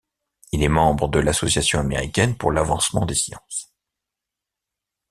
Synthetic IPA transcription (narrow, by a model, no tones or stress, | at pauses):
ilɛmɑ̃bʁəd̪əlasɔsjasjɔ̃ameʁikʲɛnpuʁlavɑ̃smɑ̃d̪esjɑ̰̃s